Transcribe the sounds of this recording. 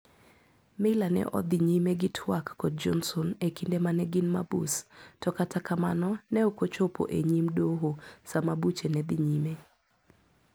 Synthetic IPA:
mɛlanɛ̰ʔɔ̰d̪ɪɲimeɡɪtʰwakːɔd̚d͡ʒɔnsɔnekindemanɛɡɪnmabṵstɔkatakamanɔnɛokot͡ʃopʰo̰ʔeɲimdoɦosamabut͡ʃenɛd̪ɪɲime

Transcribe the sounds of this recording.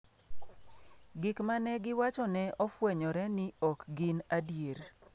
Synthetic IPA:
ɡɪkmanɛɡɪwat͡ʃɔnɛɔfwɛɲɔɾɛnɪɔkɡɪnadjeɾ

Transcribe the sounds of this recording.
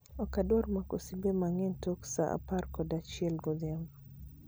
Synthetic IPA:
ɔkadɔɾmakosibɛmaŋɛntɔksaʔa̰paɾkɔdat͡ʃɛlɡod̪ɛm

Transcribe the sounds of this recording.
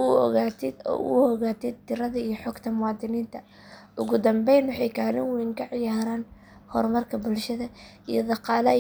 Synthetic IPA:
ʊɔ̰ɣaːt̪ʰɪd̪ɔ̰ːʊ̰ɔɣaːt̪ʰɪd̪̚t̪ʰɪɾɐðɐijɞħɔɡt̪ʰɐmʊwɑːd̪ɪniːnt̪ʰɐ | ʔʊɣʊd̪ɐmbɛjnwɑħɛjkʰaːlɪnwiŋkʰɐʕɪjaːɾaːn | hɔ̰rmɐrkʰɐbʊlʃɐðɐ | ḭjɔd̪ɑqɑːlɐ

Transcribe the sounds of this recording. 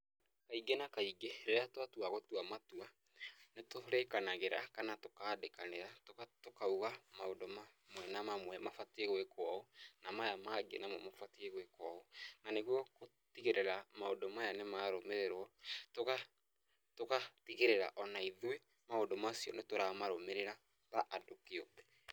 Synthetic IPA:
kaiɡenakaiɡeɾeeatwatuaɣotwamatua | netoɾekanaɣeɾa̰kanatokaːdekaneɾatokatokauɣamaodomamwɛnamamwɛmafatieɣwekwɔonamajamaːɡḛnamɔmafatieɣwekɔonaneɣwɔko | tiɣeɾeɾamaodomajanemaɾomeɾeɾwɔtoɣa | tokatiɣeɾeɾa̰ʔɔnaiðwe | maondomasiɔ̰netoɾamaɾomeɾeɾa | taʔadokeɔbɛ

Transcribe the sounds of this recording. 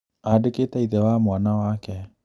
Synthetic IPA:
aːɖeket̪aiðɛwaːmoanawaːkɛ

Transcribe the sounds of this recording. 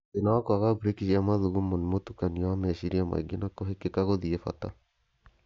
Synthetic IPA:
tenawakoaɣabuɾekiʃiamaðuɣumonimotukaniawamɛʃiɾiama̰iɡenakoɦekekaɣoðiefa̰ta̰

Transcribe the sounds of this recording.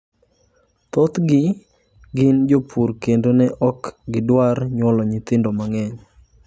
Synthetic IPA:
t̪ɔt̪ɡɪ | ɡɪnd͡ʒopʰuɾkendonɛʔɔkɡɪdwarɲwɔlɔɲɪt̪ɪndomaŋɛɲ

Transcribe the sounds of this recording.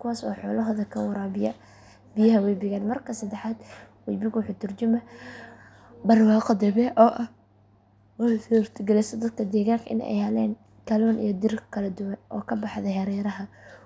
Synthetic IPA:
kʰʊwaːsɔ̰ːħɔːlɐɦɔːðɐkʰɐwɐɾaːbɪjɐ̰ | bɪjɐɦɐwɛjbɪɣaːnmɐrkʰɐsɐd̪ɛħaːd̪ | wɛjbɪɣʊħʊt̪ʰʊrd͡ʒʊmɐ | bɐrwɑːqɔd̪ɛβɛʔɔːʔɐ | wɑsɔrt̪ʰɡɛlɛsɐd̪ɐd̪̚kʰɐd̪ɛːɣaːŋkʰɐʔɪ̰nɛ̰jhɐlɛːn | kʰɐlɔːnʔḭjɞd̪ɪrkʰɐlɐd̪ʊwɐnʔɔ̰ːkʰɐbɑħðɐhɐɾɛːɾɐɦɐ

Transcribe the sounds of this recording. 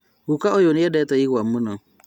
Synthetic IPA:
wukaojonɪjɛdɛtajiwamːuno

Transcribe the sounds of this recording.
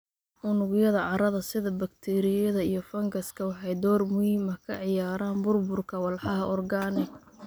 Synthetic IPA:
ʔʊnʊɣjɐðɐʕɑɾɐðɐsɪðɐbɐkt̪ʰɛɾɪjɐðɐijɞfɐŋɡɐskʰɐwɑħɑjd̪ɔːrmʊhiːmɐkʰɐʕɪjaːɾaːnbʊrbʊrkʰɐwɑlħɑɦɐʔɔrɡaːnɪɡ

